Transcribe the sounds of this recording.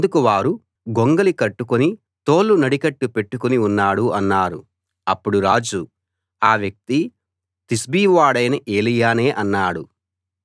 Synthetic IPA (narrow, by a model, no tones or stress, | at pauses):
d̪ukuʋaːɾu | ɡoŋɡɐlikɐʈːukuni | t̪o̞ːlːunɐɽikɐʈːupe̞ʈːukuniunːaːɽuɐnːaːɾu | ɐpːuɽuɾaːd͡ʒu | aːʋjɐk̚t̪i | t̪isbiːʋaːɽɐjnɐʔeːlijaːne̞ːʔɐnːaːɽu